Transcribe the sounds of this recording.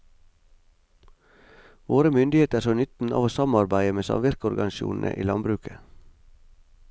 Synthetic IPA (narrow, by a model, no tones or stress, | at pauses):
ʋoːɾəmʏnd̪ɪheːt̪əɾoːnʏt̪n̩ɑ̰ːʋoːsɑmɑɾbæɪəmeːsɑ̰mʋɪɾkəɔɾɡɑnɪʃṵːnn̩ʔə̰ʔḭːlɑnbɾʉːkʰə